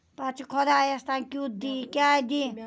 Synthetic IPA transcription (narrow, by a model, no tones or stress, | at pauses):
pat͡sʰikʰɔd̪ajest̪akut̪̚d̪ikʲad̪i